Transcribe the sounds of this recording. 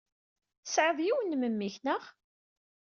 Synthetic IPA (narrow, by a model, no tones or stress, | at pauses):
sʕəðjiwənməmːiçnəʁ